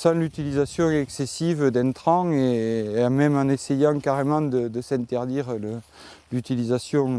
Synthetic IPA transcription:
sɑ̃lyt̪ilizasjɔ̃ɛksesivəd̪ɛ̃nt̪χɑ̃emɛmɑ̃nesejɑ̃ŋkaʁemɑ̃d̪əd̪əsɛ̃nt̪ɛʁd̪iʁlə | lyt̪ilizasjɔ̃

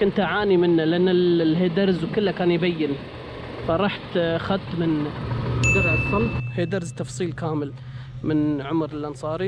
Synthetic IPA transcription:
kʊnt̪aʕaːnimɪnːalɪʔanːallɦeːd̪aɾzwkɪlːakaːnjbajːɪn | faɾˤɑːħt̪xad̪t̪mɪn | ɡaɾˤat̪sˤɑlheːd̪aɾzt̪ɑfsˤiːlkaːmɪl | mɪnʕʊmɾɪlʔɑnsˤɑːɾi

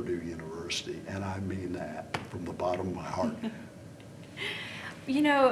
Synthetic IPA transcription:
dʉjʉnəvɜ˞sɨɾiʔɨ̃ñaɪmĩnðɨt̚fɹʌ̃mðəbɑɾə̃mmaɪhɑɹt̚ | jɨnoʊ

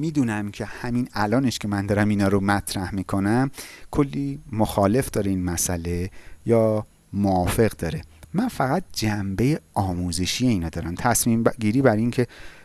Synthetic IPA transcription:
miːd̪uːnæmcʰe̞hæminælɒːneʃcʰe̞mænd̪ɒːɾæminɒːɾomæt̪ʰɾæhmiːkʰo̞næmkʰolːiːmoxɒːle̞fd̪ɒːɾeiːnmæsæle̞jɒː | moɒːfe̞ɣd̪ɒːɾe̞mænfæɣæt̪̚d͡ʒæmbe̞jeɒːmuːze̞ʃije̞iːnɒːd̪ɒːɾæmt̪ʰæsmiːmɡiːɾiːbæɾincʰe̞

